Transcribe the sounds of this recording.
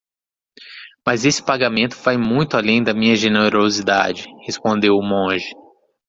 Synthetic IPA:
mɐzesɪ̥paɡamẽnt̪ʊvajmũj̃t̪ʊalẽj̃d̪ɐmĩɲɐʒeneɾozid̪a̰d͡ʒɪhespõnd̪ewmõʒɪ

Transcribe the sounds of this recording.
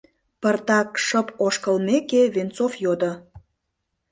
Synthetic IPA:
pərt̪ɑkʃəpoʃkə̆lmekeβent͡sofjod̪ə

